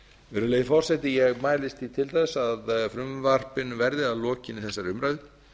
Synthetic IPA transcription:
ɛːɾʏleːjɪfɔr̥sɛt̪ɪjɛɣmaːjlɪst̪it̪ʰɪlt̪aðsaðfɾʏmvar̥pɪnvɛɾðɪaðlɔːcɪnɪθɛsːaɾʏmɾaɥð

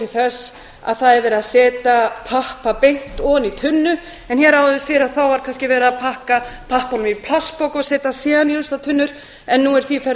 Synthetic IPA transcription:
ɪθɛsː | a̰ðθaðɛɾvɛːɾɪaðsɛːt̪apʰahpapejn̥t̪ɔnit̪ʰʏnːʏ | ɛnçɛɾaːwðʏfɪɾaðθawvaɾ̥kʰanscɪvɛːɾɪapʰahkapʰahpanʏmipʰlaspowkɔɣsɛːt̪asɛːðanilʏst̪at̪ʰʏnːʏɾ̥ | ɛnːuɛɾ̥θifɛɾ

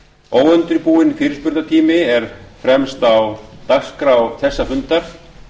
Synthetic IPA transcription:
oːwœnt̪ɪɾpuːɪnifɪːɾɪspʏɾt̪at̪ʰiːmɪɛɾ̥fɾɛmst̪awt̪akskɾawθɛsːafʏnt̪aɾ̥

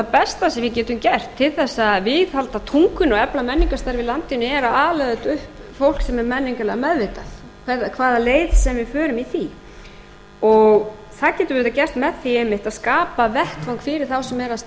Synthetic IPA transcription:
θapɛst̪asɛmvɪcɛːt̪ʏmcɛr̥t̪ʰːɪlθɛsːaðvɪðhalt̪aðt̪ʰuŋkʏnɔɛplamɛnːiŋkast̪aɾvɪlant̪ɪnːʏɛɾaaːlɛðʏt̪ʏhpfowl̥ksɛmɛɾmɛnːiŋkalɛɣamɛðvejt̪aθ | kʰvɛakʰvaːðaleːjðsɛmvɪfœːɾʏmiθi | ɔɣ | θaðcɛːt̪ʏvɛt̪acɛr̥t̪mɛðθiejmɪht̪aðskaːpavɛht̪faŋkfɪɾɪɾ̥θawsɛmɛɾas

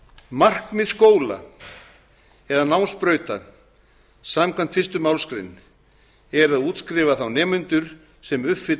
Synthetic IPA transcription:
mar̥kmɪðskoːwla̰ | ɛðanawnspɾœːɥt̪a | saːmkʰvan̥t̪fɪrst̪ʏmawlskɾɪ̰nː | ɛɾaðuːt̪skɾɪːvaθawnɛːmʏnt̪ʏɾ̥ | sɛmʏfɪ

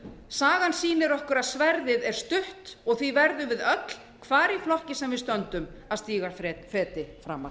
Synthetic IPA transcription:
saːɣansiːnɪɾɔhkʏɾaðsvɛɾðɪðɛɾ̥st̪ʏht̪ɔɣθvivɛɾðʏvɪðœt̪l̥ | kʰvaːɾiflɔhcɪsɛmvɪðst̪œnt̪ʏmaðst̪iːɣaɾɛfɛːt̪ɪfɾa̰ːmːa̰

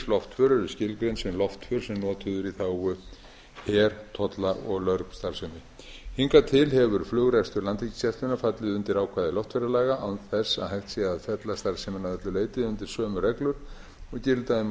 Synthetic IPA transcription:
lɔft̪fœɾʏɾʏscɪlkɾensɛmlɔft̪fʏɾ̥sɛmnɔːt̪ʰʏðʏɾiθawɣʏ | hɛːɾ̥t̪ʰɔt̪laʔɔɣlœɾkst̪aɾ̥sɛmɪ | hiŋkat̪ʰɪlhɛvʏɾ̥flʏɣɾɛst̪ʏɾlant̪hici̥sjɛft̪ʏnafat̪lɪðʏnt̪ɪɾaːwkʰvaːðɪlɔft̪fɛɾalaːɣaʔawnθɛsːa̰ðɦajft̪sjɛaðfɛt̪last̪aɾ̥sɛmɪnaðɛt̪lʏleːjt̪ɪðʏnt̪ɪɾ̥sœːmʏɾrɛklʏɾ̥ | ɔɣcɪɾlt̪aðɪm

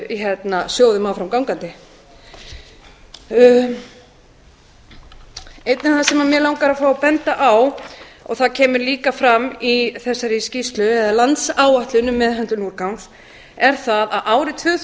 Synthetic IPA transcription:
iɦɛt̪nasjoːwðʏmawfɾamkawŋkant̪ɪ | ejt̪nɪθasɛmamjɛlawŋkaɾaðfaːwɔpɛnt̪aʔawɔ̰ɣθaðcʰɛːmʏɾliːkafɾamːiθɛsːaɾiscist̪lʏɛðalant̪saːwaht̪lʏnʏmːɛðɦɛnt̪ʏnuːɾkawns | ɛɾ̥θaðaðʔaːwɾɪt̪ʰvʏθ

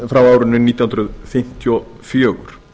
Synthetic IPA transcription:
fɾawaːwɾʏnʏniːt̪jahnɾʏðfɪm̥t̪ʰiɔ | fjœːɣʏ̰ɾ̥

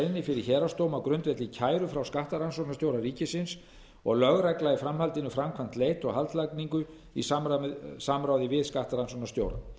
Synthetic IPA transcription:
nɪfɪɾɪɾçɛːɾast̪oːwmakɾʏnt̪vɛt̪lɪicʰaːjɾʏfɾawskaht̪aɾansɔknast̪jowɾariːcɪsɪns | ɔ̰ɣlœɣɾajklajɪfɾamhalt̪ɪnʏfɾamkʰvam̥t̪leːjt̪ɔɣɦalt̪lajkniŋkʏ | isasamɾaːwðɪvɪðskaht̪aɾansɔknast̪jo̰ːwɾa̰

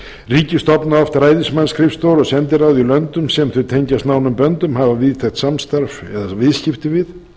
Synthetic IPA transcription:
riːcɪst̪ɔpnaɔft̪ɾaːjðɪnsmanskʰɾɪfst̪owɾɔɣsɛnt̪ɪɾawðilœnt̪ʏmsɛmθʏt̪ʰeɲcast̪naːwnʏmpœnt̪ʏmhavavɪðt̪ʰɛxt̪samst̪aɾfɛðavɪðscɪft̪ɪvɪð

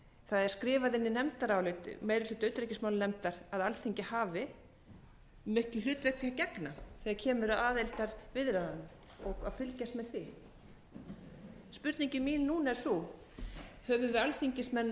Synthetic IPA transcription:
θaðɛɾ̥skɾɪːvaðɪnːɪnɛmt̪aɾaːwlʏːt̪ʏ̰meːjɾɪlʏːt̪œɥt̪ɾɛcɪsmawlnɛmt̪aɾaðalθiɲcɪhaːvɪ | mɪhklʏl̥ʏːt̪vɛt̪ʰacɛknaθɛaɾcʰɛːmʏɾaðaːðejlt̪aɾvɪðɾaðanm | ɔɣaðfʏlcast̪mɛðθvi | spʏɾt̪niɲcɪmiːnnuːnaɛɾ̥su | hœvʏvɪalθiɲcɪsmɛnː

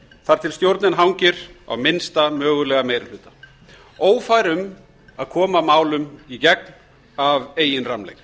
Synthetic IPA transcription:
θaɾ̥t̪ʰɪlst̪jowɾt̪nɪnɦawɲcɪɾ̥a̰wmɪnst̪amœːɣʏlɛːɣamejɾɪɾh̪ʏːt̪ḁ | oːwfajɾʏm | aðkʰɔːmamaːwlʏmicɛk̚n | aveːjɪnramlḛjɣ

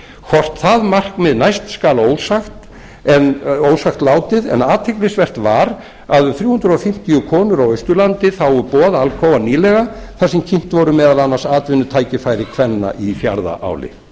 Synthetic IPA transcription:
kʰvɔr̥t̪θaðmar̥kmɪðnajst̪skaːloːwsaxt̪ | ɛnoːwsaxt̪laːwt̪ɪðɛ̰naːt̪ʰɛklɪsvɛr̥t̪vaɾ | aðʏθɾjuːhʏnd̪ɾɔfɪm̥t̪iʏkʰɔːnʏɾawœɥst̪ʏlant̪ɪθawʏpɔːðaalkʰɔːwvaniːlɛɣaθaðsɛmcʰɪm̥t̪vɔɾʏmɛːðalanːaɾsaːt̪vɪnːʏt̪ʰaːjcɪfaːjɾɪkʰvɛnːa̰ʔifjaɾða̰ʔa̰ːwlɪ̰

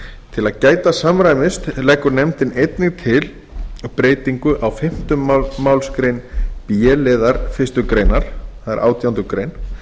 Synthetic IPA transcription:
t̪ʰɪlaðcaːjt̪asamɾaːjmɪst̪lɛːkːʏɾnɛmt̪ɪnejt̪nɪɣt̪ʰɪl | pɾeːjt̪iŋkʏʔawfɪm̥t̪ʏmːawlskɾejnpjɛlɪːðaɾ̥fɪst̪ʏkɾeːjnaɾ̥θaðɛ̰ɾʔa̰ːwt̪ʰjawnt̪ʏkɾejn

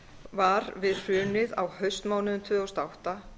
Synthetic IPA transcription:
vaɾvɪðr̥ʏːnɪða̰whœɥst̪maːwnʏnmt̪ʰvʏðɔwst̪awht̪a

